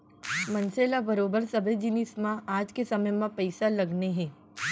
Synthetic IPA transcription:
mɐ̃nseːlabɐɾoːbəɾsɐbʱed͡ʒɪnismãaːd͡ʒkesɐməjmãpɐɪsalɐɡneɦɛ̃ː

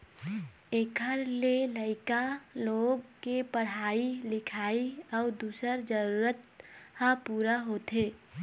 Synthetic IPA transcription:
eːkʰəɾleləɪkaloːɡkepəɽ̤aːilɪkʰaːiɔːd̪uːsəɾd͡ʒəɾuːɾət̪hãpuːɾaɦoːt̪eː

